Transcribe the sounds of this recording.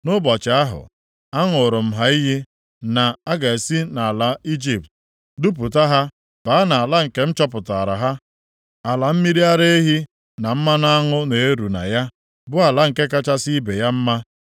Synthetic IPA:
nʊ˦bɔ˨t͡ʃɪ˨a˦ɦʊ̰˨ | a˦ŋʊ˨ɾʊ˨m̩˨ɦa˦i˦ɦi˦ | na˨a˦ɡa˨e˨si˦na˨a˨la˨i˦d͡ʒi˨p̚t̚ | du˦p̬ʊ˨ta˦ɦa˦ | b̥a˨˦a˦na˨a˨la˦ŋ̩˨ke˦m̩˦t͡ʃɔ˦pʊ˨ta˨ɾa̰˨ɦa˦ | a˨la˨m̩˦mi˦ɾi˦a˦ɾe˦e˦ɦi˦ | na˨m̩˦ma˦na˦ŋʊ˦ne˨e˦ɾu˨na̰˨ja˦ | bʊ˦a˨la˦ŋ̩˨ke˦ka˦t͡ʃa˦si˦be˨ja˦m̩˦ma˦

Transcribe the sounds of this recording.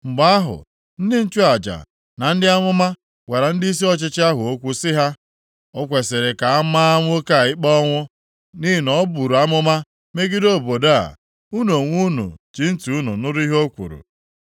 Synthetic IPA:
ŋ͡m̩˨ɡ͡ba˦a˦ɦʊ̰˨ | n̩˦dɪ˦n̩˦t͡ʃu˦a˨d͡ʒa̰˨ | na˨n̩˦dɪ˦a˦mʊ˦ma˦ | we˨ɾa˨n̩˦di˦s̬i˦ɔ˦t͡ʃɪ˦t͡ʃɪ˦a˦ɦʊ˨o˦kʷu˦sɪ˦ɦa˦ | ɔ˦kʷe˨sɪ˨ɾe˨ka˨a˦ma˦ŋʷʊ˦ka˨ɪ˦k͡pɔ˦ŋʷʊ˦ | ni˦i˨nɔ˦bu˨ɾu˨a˦mʊ˦ma˦ | me˦ɡɪ˦do˦˨bo˨da˦a̰˨ | u˦no˨ŋʷu˦nṵ˨t͡ʃi˨n̩˦tu˨u˦nu˨nʊ˦ɾʊ˦i˦ɦo˦kʷṵ˨ɾṵ˨

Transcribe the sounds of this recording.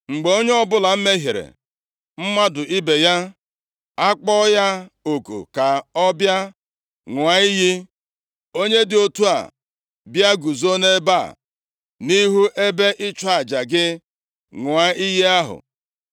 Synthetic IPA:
ŋ͡m̩˨ɡ͡be˨o˦ɲe˦ɔ˦bʊ˦la˨m̩˦me˦ɦi˨ɾḛ˨ | m̩˦ma˦dʊ˨ʔi˦be˨ja˦ | a˦k͡pɔ˦ja˦o˨ko̰˨ka˨ɔ˦bja˦ | ŋʷ˨a˨˦i˦ɦi˦ | o˦ɲe˦dɪ˨o˦tu˦a̰˨ | bja˦ɡu˨zo˦ne˦ba˦˨ | ni˦ɦu˦ʔe˦be˦ʔɪ˦t͡ʃa˨d͡ʒa˨ɡɪ˦ | ŋʷ˨a˦i˦ɦi˦a˦ɦʊ̰˨

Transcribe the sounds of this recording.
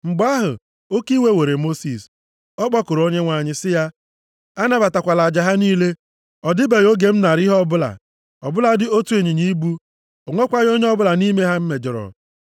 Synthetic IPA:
ŋ͡m̩˨ɡ͡ba˦ɦʊ̰˨ | o˦ki˦we˦we˨ɾe˨mo˦si˨s | ɔ˦k͡pɔ˦kʊ˨ɾo˦ɲe˦ŋʷa˨ɲɪ˦sɪ˦ja˦ | a˦na˦ba˨ta˨kʷa˨la˨a˨d͡ʒa˨ɦa˦niː˦le˦ | ɔ˨dɪ˦be˨jo˦ɡe˨m̩˦na˨ɾi˦ɦɔ˦bʊ˦la̰˨ | ɔ̰˨bʊ˦la˦dɪ˦o˦tu˦e˨ɲi˨ɲi˦bu˦ | o˨ŋʷo˦kʷa˦ɲ˦o˦ɲe˦ɔ˦bʊ˦la˨ni˦me˦ɦa˦m̩˦me˨d͡ʒɔ˨ɾɔ̰˨

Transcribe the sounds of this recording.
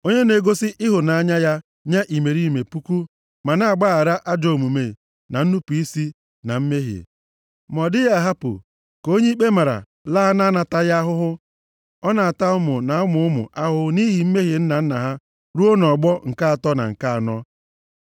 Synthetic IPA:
o˦ɲe˦ne˨ɡo˦sɪ˦ʔɪ˦ɦʊ˨na˨a˦ɲa˦ja˦ | ɲa˦ʔi˨me˨ɾi˦˨me˨pu˦ku˦ | ma˨na˦a˨ɡ͡ba˦a˨ɾa˦ʔa˦d͡ʒɔ˨mu˨me˨ | na˨n̩˦nu˦pu˨i˦si˦ | na˨m̩˦me˦ɦḭ˨ | mɔ˨dɪ˦ja˦˨ɦa˦pʊ̰˨ | ko˦ɲe˦k͡pe˦ma˨ɾa̰˨ | laː˦na˦na˨ta˦ja˦ɦʊ˦ɦʊ˦ | ɔ˦na˨a˨ta˦ʊ˦mʊ˨na˨ʊ˦mʊ˨ʊ˦mʊ̰˨ʔa˦ɦʊ˦ni˦ɦi˨m̩˦me˦ɦi˨n̩˦na˨n̩˦na˨ɦa˦ | ɾu˦o˦nɔ˨ɡ͡bɔ˦ŋ̩˨ka˦a˨tɔ˦na̰˨ŋ̩˨ka˦a˨nɔ˦

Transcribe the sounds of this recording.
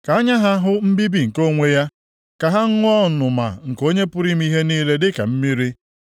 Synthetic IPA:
ka˨a˦ɲa˦ɦa˦ɦʊ˦m̩˦bi˦bi˨ŋ̩˨ko˦ŋʷe˦ja˦ | ka˨ɦa˦ŋ̩˦ŋʷ˦ɔ˦˨nʊ˨ma̰˨ŋ̩˨ko˦ɲe˦pʊ˦ɾi˦m̩˦i˦ɦe˦niː˦le˦dɪ˦ka̰˨m̩˦mi˦ɾi˦

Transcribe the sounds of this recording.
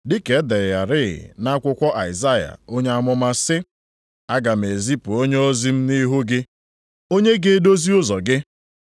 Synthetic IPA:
dɪ˦ke˨˦de˨ja˨ɾɪ˦˨ɪ̰˨na˦kʷʊ˦kʷɔ˦ʔa˨ɪ˨za˦ja̰˨o˦ɲe˦a˦mʊ˦ma˦sɪ˦ | a˦ɡa˨m̩˨e˨zi˦pʊ˨o˦ɲe˦o˦zi˦m̩˦ni˦ɦu˦ɡɪ˦ | o˦ɲe˦ɡe˦do˦zi˦ʊ˦zɔ˨ɡɪ˦

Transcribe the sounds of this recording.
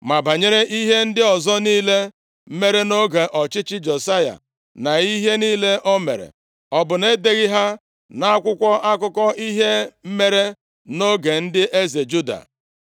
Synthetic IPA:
ma˨ba˨ɲe˦ɾe˦ʔi˦ɦe˦n̩˦dɪ˦ɔ˨zɔ˦niː˦le˦ | me˦ɾe˦no˦ɡe˨ʔɔ˨t͡ʃɪ˦t͡ʃɪ˦d͡ʒe˨sa˦ja̰˨ | na˨i˦ɦe˦niː˦le˦ʔɔ˦mḛ˨ɾḛ˨ | ɔ˨bʊ˨ne˦de˨ɣi˦ɦa˦ | na˦kʷʊ˦kʷɔ˦ʔa˦kʊ˦kɔ˦i˦ɦe˦m̩˦me˦ɾe˦ | no˦ɡe˨n̩˦dɪ˦ʔe˦ze˨d͡ʒu˦da̰˨

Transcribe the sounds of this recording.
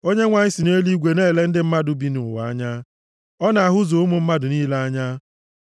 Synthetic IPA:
o˦ɲe˦ŋʷa˨ɲɪ˦si˨ne˦li˦ɡʷe˨ne˦˨le˦n̩˦dɪ˦m̩˦ma˦dʊ˨bi˦nʊ˨ʊ˨wa˨a˦ɲa˦ | ɔ˦na˨a˨ɦʊ˦zo˨ʊ˦mʊ˨m̩˦ma˦dʊ˨niː˦la˦a˦ɲa˦

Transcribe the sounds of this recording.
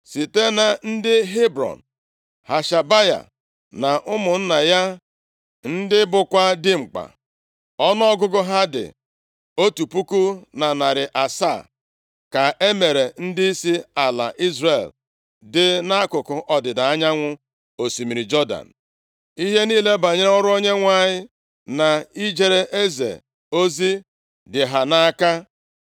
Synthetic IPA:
si˨te˦na˨n̩˦dɪ˦ɦe˦bɾɔ̰˨n̩˨ | ha˨ʃa˨ba˦ja̰˨ | na˨ʔʊ˦mʊ˨n̩˦na˨ja˦ | n̩˦dɪ˦bʊ˨kʷa˦dɪ˦ŋ͡m̩˨k͡pa̰˨ | ɔ˦n˦ɔ˦ɡʊ˦ɡʊ˦ɦa˦dɪ̰˨ | o˦tu˨pu˦ku˦na˨na˨ɾɪ˨ʔa˨sa̰˦˨ | ka˨ʔe˦me˨ɾe˨n̩˦dɪ˦i˦si˦a˨la̰˨ʔi˦zre˨l | dɪ˦na˦kʊ˨kʊ˨ʔɔ˨dɪ˨da˨a˦ɲa˦ŋʷʊ˦ | o˨si˨mi˨ɾi˨d͡ʒɔ˦da̰˨n̩˨ | i˦ɦe˦niː˦le˦ba˨ɲe˦ɔ˦ɾʊ˦o˦ɲe˦ŋʷa˦˨ɲɪ˦ | na˨i˦d͡ʒe˨ɾe˦ʔe˦zḛ˨ | o˦zi˦ | dɪ˨ɦa˨na˦ka˦

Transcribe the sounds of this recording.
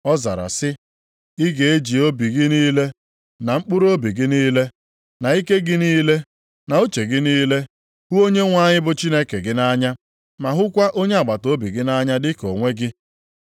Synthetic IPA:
ɔ˦za̰˨ɾa̰˨sɪ˦ | ɪ˦ɡe˨e˦d͡ʒi˨o˦bi˨ɡɪ˦niː˦le˦ | na˨ŋ͡m̩˦k͡pʊ˦ɾo˦bi˨ɡɪ˦niː˦le˦ | na˨i˦ke˦ɡɪ˦niː˦le˦ | na˨o˦t͡ʃe˨ɡɪ˦niː˦le˦ | hu˦o˦ɲe˦ŋʷa˦˨ɲɪ˦bʊ˦t͡ʃi˦ne˦ke˨ɡɪ˦na˦ɲa˦ | ma˨ɦʊ˦kʷa˦ʔo˦ɲe˦a˨ɡ͡ba˨to˨˦bi˨ɡɪ˦na˦ɲa˦dɪ˦ko˨ŋʷe˦ɡɪ˦

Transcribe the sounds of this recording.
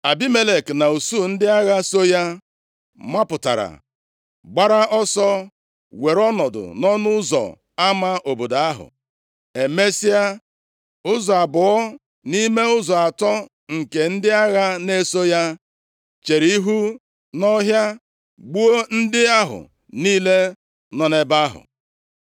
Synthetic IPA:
a˨bi˦me˦le˨kna˨u˨su˦˨n̩˦dɪ˦a˦ɣa˦so˦ja˦ | ma˦pʊ˨ta̰˨ɾa̰˨ | ɡ͡ba˦ɾa˦ʔɔ˦sɔ˦ | we˨ɾɔ˦nɔ˨dʊ̰˨nɔ˦nʊ˦zɔ̰˨ | a˦ma˦ʔo˨bo˨da˨a˦ɦʊ̰˨ | e˨me˦si˦a˦ | ʊ˦zɔ˨a˨bʊ˨ɔ˦ | ni˦me˦ʊ˦zɔ˨a˨tɔ˦ | ŋ̩˨ke˨n̩˦dɪ˦a˦ɣa˦ne˦so˦ja˦ | t͡ʃe˨ɾi˨˦ɦu˦ | nɔ˦ɦja˦ | ɡ͡bu˦o˦n̩˦dɪ˦a˦ɦʊ̰˨ | niː˦le˦ | nɔ˨ne˦ba˦ɦʊ̰˨

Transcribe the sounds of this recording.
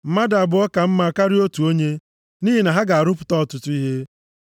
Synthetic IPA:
m̩˨ma˦da˨bʊ˨ɔ˦ka˨m̩˦ma˦˨ka˦ɾi˦o˦tu˨o˦ɲe˦ | niː˦ɦi˨na˨ɦa˦ɡa˨a˨ɾʊ˦pʊ̥˨tɔ˦ɔ˨tʊ˨tʊ˦i˦ɦe˦

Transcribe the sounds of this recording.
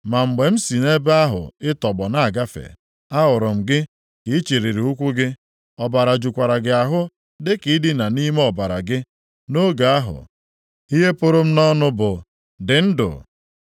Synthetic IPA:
ma˨ŋ͡m̩˨ɡ͡be˨m̩˦si˨ne˦ba˦ɦʊ̰˨ɪ˦tɔ˨ɡ͡bɔ˨na˦a˨ɡa˦fḛ˨ | a˦ɦʊ˨ɾʊ˨m̩˨ɡɪ˦ | ki˨˦t͡ʃe˨ɾe˨ɾe˨u˦kʷu˦ɡɪ˦ | ɔ˨ba˨ɾa˨d͡ʒu˨kʷa˨ɾa˨ɡɪ˨a˨ɦʊ˦ | dɪ˦ki˨˦dɪ˦na˨ni˦me˦ɔ˨ba˨ɾa̰˨ɡɪ˦ | no˦ɡa˨a˦ɦʊ̰˨ | i˦ɦe˦pʊ˦ɾʊ˦m̩˦nɔ˦nʊ˦bʊ˨ | dɪ˨n̩˦dʊ̰˨

